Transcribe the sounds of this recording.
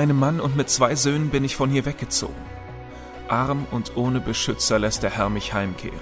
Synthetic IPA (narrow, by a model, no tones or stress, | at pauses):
aɪnəmːanʊntmɪt̚t͡sv̥aɪzøːnənbɪnɪçfɔnhiːɐvɛk̚ɡ̥ət͡so̰ːɡŋ̩ | ʔaʁmʊntʔoːnəbəʃʏt͡sɐlɛst̚d̥eːɐhɛɐmɪçhaɪmkʰḛːʁən